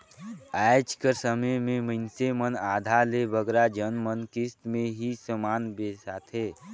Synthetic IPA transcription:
ajd͡ʒkəɾsəməmẽməɪnsemənaːd̪ʱalebəɡɾad͡ʒənmənkɪst̪mẽɦisəmaːnbeːsat̪ʰɦeː

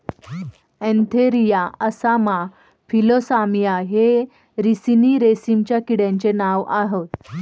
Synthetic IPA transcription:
ɛ̃nt̪ʰeɾijaəsama | filosamijaɦe | ɾisiniːɾesimt͡ɕjakiɽjãɲt͡ɕenaʋaɦot̪

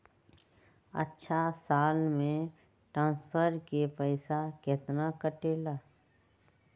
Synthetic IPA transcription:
ə̰tːʃʰasaːlmẽ | ʈɾãːnspʰəɾkepəɪsakeːt̪nakəʈeːlaː

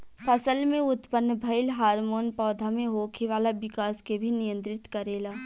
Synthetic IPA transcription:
pʰɐsəlmẽʊt̪pənːbʱɐɪlɦaːɾmoːnpɔːd̪ʱamẽɦoːkʰeʋaːlabɪkaːskebʱinɪjə̃nt̪ɾɪt̪kɐɾeːlaː

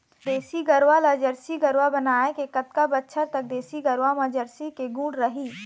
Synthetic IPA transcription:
d̪eːsiɡəɾwalad͡ʒəɾsiɡəɾwabənaːekekət̪kabətːʃʰəɾt̪ɐk̚d̪eːsiɡəɾwamãd͡ʒəɾsikeɡũːɽɾəɦiː

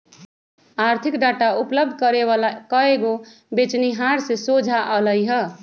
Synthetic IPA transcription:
aɾt̪ʰikɖaʈaupləb̚d̪ʱkəɾealkəeɡo | bet͡ʃniɦaɾsesod͡ʒʱaʔələjɦə

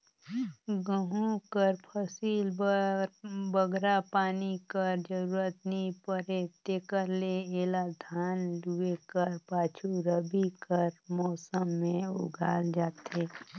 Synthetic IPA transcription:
ɡəɦũkəɾpʰəsiːl | bəɡʱɾapaːnikəɾd͡ʒəɾuːɾət̪nipəɾet̪eːkəɾleeːlad̪ʱaːnluekəɾpaːt͡ʃʰuɾəbikəɾmɔːsəmːẽʊ̰ɡʱaːld͡ʒaːt̪eː

